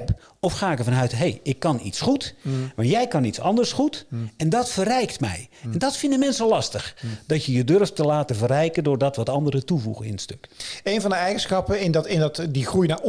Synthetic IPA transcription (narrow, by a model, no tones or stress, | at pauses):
p | ɔfxaːɪkəvɑnœɥtɦejɪkːɑnḭtsχutʋɑntjɛjkɑnitsɑ̰ndəɹsχutɛndɑtfərɛjktmɛ̰jɛndɑtfɪndəmɛnsəlɑstəxd̥ɑtjəjədørftəlaːtəvərɛjkəndʊːɹdɑtʋɑtɑndəɾətuvṵɣənɪ̰nətstɵkejnvɑndəɛjɣənsxɑpəɪndtɪnɑtdixrujna